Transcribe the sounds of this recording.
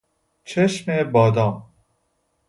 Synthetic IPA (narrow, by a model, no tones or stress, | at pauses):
t͡ʃʰeʃmebɔːd̪ɔːm